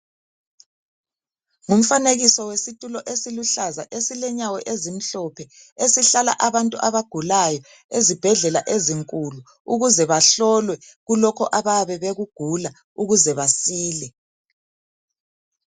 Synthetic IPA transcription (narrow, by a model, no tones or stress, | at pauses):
ŋum̩faneɣisɔwesitʼulɔʔesiluɬaza̰ʔesilɛɲawɛʔezim̩ɬɔpʰɛ | esiɬala̰ʔaβantʼuʔaβaɡ̥ʱulajɔ | ezib̥ʱɛɮɛlaʔeziŋkʼulu | uɣuzɛβaɬɔlwɛɣulɔkʰɔʔaβaβɛβeɣuɡ̥ʱula | uɣuzɛβasiːlɛ